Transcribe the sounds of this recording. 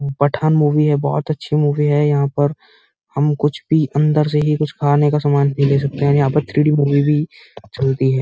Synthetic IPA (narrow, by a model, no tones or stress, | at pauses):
pɐʈʰaːnmuːʋiɦɛbɔ̰ːt̪ɐtːʃʰimuːʋiɦɛjɐɦãpɐɾ | hɐmkʊt͡ʃʰbʱiʔɐ̃nd̪əɾseɦikʊt͡ʃʰkʰaːɾnekasaːmaːnpĩleːs̬ɐk̚t̪eɦɛ̃niaːbət̪ʰːɾiːɖimuːʋibʱi | t͡ʃɐlt̪iɦɛː